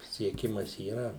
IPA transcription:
sʲiɛˈkʲɪmɐs iːˈrɐ

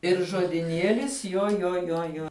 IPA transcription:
ɪr ʒoːdʲɪˈnʲiɛlʲɪs joː joː joː ˈjoː

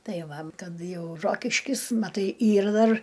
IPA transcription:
ˈtɐɪ ˈʋɐ ˈkɐt ˈjɛʊ ˈroːkʲɪʃʲkʲɪs mɐˈtɐɪ ˈiːr ˈdɐr

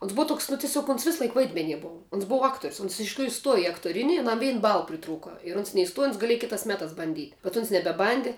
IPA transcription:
oːns ˈbʊʋɐ ˈtoːks nʊ tʲɪˈsʲoːk oːns ˈʋʲɪsˌlˠɐɪk ˈʋɐɪdʲmʲɛnʲiɛ ˈboːʋɐ oːns ˈboːʋɐ ˈɑːktoːrʲʊs ʊns ɪʃ tʲɪkˈruːjʊ ˈstuɔjɛ ɪ ɐktoːˈrʲɪnʲɪ ɐˈnɐm ˈʋʲɛɪn ˈbɐlˠ pʲrʲɪˈtruːkɐ ɪr ˈʊns nʲɛɪˈstuɔjɛ ʊns ɡɐˈlʲiɛjɛ ˈkʲɪtɑːs ˈmʲæːtɑːs bɐnʲˈdʲiːtʲ bʲɛt ʊns nʲɛbʲɛˈbɐnʲdʲɪ

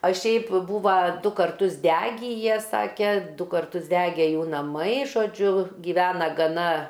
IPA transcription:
ɐ ˈʃʲɛɪp ˈbuːʋɐ ˈdʊ kɐrˈtʊs ˈdʲæːɡʲiː ˈjiɛ ˈsɑːkʲɛ ˈdʊ kɐrˈtʊs ˈdʲæːɡʲɛ ˈjuː nɐˈmɐɪ ʒoːˈd͡ʒʲʊ ɡʲɪˈʋʲæːnɐ ɡɐˈnɐ

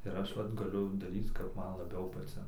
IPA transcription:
ɪr ˈɐʃ ˈʋɐt ɡɐˈlʲʊ dɐˈrʲiːt͡s kɐp ˈmɐn lˠɐˈbʲɛʊ pɐˈt͡sʲɪn

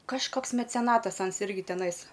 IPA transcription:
kɐʃˈkoːks mʲɛt͡sʲɛˈnɑːtɐs ˈɐns ˈɪrʲɡʲɪ tʲɛˈnɐɪs

